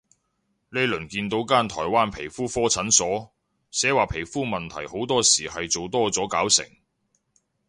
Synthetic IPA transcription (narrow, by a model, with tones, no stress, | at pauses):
le˨˧jlɵ˨˩nkiː˧nt̪o˨˥wkaː˥nt̪ʰɔː˨˩jwaː˥npʰe˨˩jfuː˥fɔː˥t͡sʰɐ˨˥nsɔː˨˥ | sɛː˨˥waː˨pʰe˨˩jfuː˥mɐ˨nt̪ʰɐ˨˩jho˨˥wt̪ɔː˥siː˨˩hɐ˨jt͡so˨wt̪ɔː˥t͡sɔː˨˥kaː˨˥wsɪ̰˨˩ŋ